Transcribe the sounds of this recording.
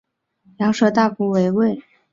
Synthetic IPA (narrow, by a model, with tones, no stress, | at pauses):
ljɑ˧˥ŋʂɤ˥t̪a˥˩ku˧˥we˧˥ɪwe˥˩ɪ